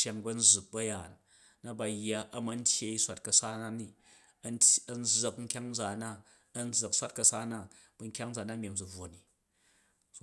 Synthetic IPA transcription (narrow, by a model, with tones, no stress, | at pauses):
a˨ŋbɐ˦n̩˦d͡zu˨k̚bɐ˦ja˨n | na˦ba˨jːa˦ʔɐ˦mɐ˦n̩˦tʲje˦i˦sʷa˨t̚kɐ˨sa˦na˦ni˦ | tɐ˨n̩˦d͡zːɐ˨kŋ̩˦kʲa˦ŋn˦d͡za˨na˦ | ɐ˦n̩˦d͡zɐ˨ksʷa˦t̚kɐ˧saː˦na˦˨ | b̥ɐ˨ŋ̩˦kʲa˦ŋ̩˦d͡za˨na˦mʲ˨e˨md͡zu˨b͡vo˨ni˨